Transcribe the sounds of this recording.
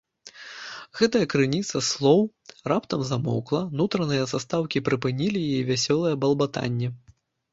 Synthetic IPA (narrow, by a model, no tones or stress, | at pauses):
ɣɛt̪ɐjɐkɾɨnʲit̪sɐslˠɔw | rapt̪ɐmzamɔ̰wklˠɐnut̪ɾɐnɨjɐsast̪awkʲipɾɨpɨnʲilʲijaɛvʲasʲɔlˠɐjɐbɐlˠbat̪a̰nʲːɛ